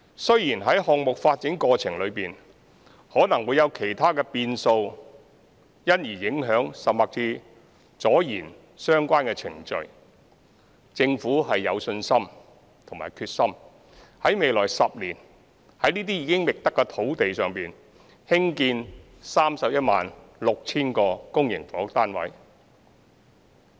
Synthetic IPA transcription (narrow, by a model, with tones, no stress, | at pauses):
sɵ˥ɥjiː˨˩nɦɐ˨˥jhɔː˨k̚mʊ˨k̚faː˧t̚t͡sɪ˨˥ŋkɔː˧t͡sʰɪ˨˩ŋlɵ˨˧ɥpiː˨n | hɔː˨˥nɐ˨˩ŋwuː˨˧jɐ˨˧wkʰe˨˩jt̪ʰaː˥kɛː˧piː˧nso˧w | jɐ˥njiː˨˩jɪ˨˥ŋɦœː˨˥ŋsɐ˨p̚maː˨k̚t͡siː˧ | t͡sɔː˨˥jḭː˨˩n | sœː˥ŋkʷaː˥nkɛː˧t͡sʰɪ̰˨˩ŋt͡ʃɵ̰˨˩ɥ | t͡sɪ˧ŋfuː˨˥ɦɐ˨jːɐ̰˨˧wsɵ˧nsɐ˥m | t̪ʰʊ˨˩ŋma̰ː˨˩jkʰyː˧t̚sɐ˥m | hɐ˨˥jme˨jlɔː˨˩jsɐ˨p̚liː˨˩n | hɐ˨˥jniː˥t̪iː˥jiː˨˧kɪ˥ŋmɪ˨k̚t̪ɐ˥kːɛː˧t̪ʰo˨˥wt̪e˨jsœː˨ŋpiː˨˩n | hɪ˥ŋkiː˧n | saː˥msɐ˨p̚jɐ˥t̚ma̰ː˨n | lʊ˨k̚t͡sʰiː˥nkɔː˧kʊ˥ŋjɪ˨˩ŋfɔː˨˥t̪aː˥nwɐ̰˨˥j